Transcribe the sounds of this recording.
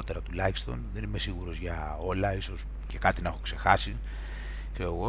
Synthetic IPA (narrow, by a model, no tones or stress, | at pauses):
t̪e̞ɾɐt̪ulɐçist̪o̞̰nðe̞nime̞siɣuɾo̞zʝɐ | o̞lɐiso̞s | cekɐt̪inɐexo̞̥kse̞xɐsi | kse̞oɣo̞